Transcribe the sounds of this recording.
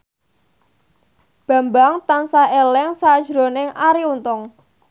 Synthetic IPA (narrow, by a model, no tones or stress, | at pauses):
b̥a̤mbaŋt̪ansaɦelɛŋsad̥ʒ̥ɾonɪŋʔaɾiunt̪ʊŋ